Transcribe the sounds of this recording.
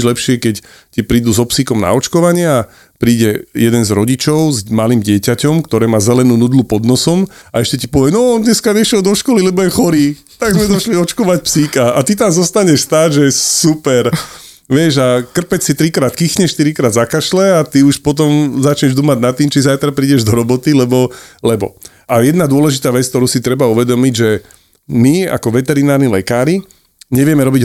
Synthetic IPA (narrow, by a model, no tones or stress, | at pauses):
ʒlɛpʃɪɛkɛc | cipɾiːd̪uzɔpsikɔmna̰ɔt͡ʃkɔʋaɲɪaː | pɾiːɟɛjɛd̪ɛnzɾɔɟit͡ʃɔʊzmaliːmɟɪɛcacɔmkt̪ɔɾɛːmaːzɛlɛnuːnuːd̪lupɔd̪nɔsɔmaɛʃcɛcipɔʋɪɛnɔɔnd̪ɲɛskaɲɛʃɛld̪ɔʃkɔlilɛbɔjɛxɔɾiː | t̪aɡzmɛd̪ɔʃliɔt͡ʃkɔʋacpsikaat̪it̪amzɔst̪aɲɛʃst̪aːʒɛɛsupɛɾ | ʋɪɛʒakr̩pɛt͡ssit̪ɾikɾaːt̪kiːxɲɛʃʃt̪iɾikɾaːd̪zakaʃlɛat̪iuʃpɔt̪̬ɔmzat͡ʃɲɛʒd̪uːmaɟnat̪ːiːmt͡ʃizajt̪ɾapɾiːɟɛʒd̪ɔɾɔbɔt̪ilɛbɔlɛbɔ̰ | ajɛd̪nad̪ʊɔlɛʒit̪aːʋɛt͡sk̚t̪ɔɾuːsit̪ɾɛbauʋɛd̪ɔmiɟʒɛ | mia̰kɔʋɛt̪ɛɾinaːɾnilɛkaːɾi | ɲɛʋɪɛmɛɾɔbiɟ